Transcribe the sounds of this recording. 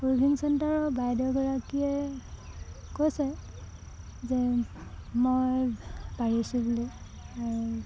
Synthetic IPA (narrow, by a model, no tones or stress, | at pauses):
pɹobʱinsɛntaɹɔbajdɔɡɔɹakiɛ | kojsɛ | zɛ | mojbaɹisubuli | aɹu